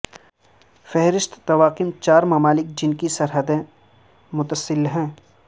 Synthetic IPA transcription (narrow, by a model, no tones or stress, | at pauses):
fɛɦɾɪʃt̪ːɐwaːqɪmt͡ʃaːɾmɐmaːlɪkd͡ʒɪnkisɐɾɦəd̪ẽ | mʊt̪əsɪlɦɛ̃ː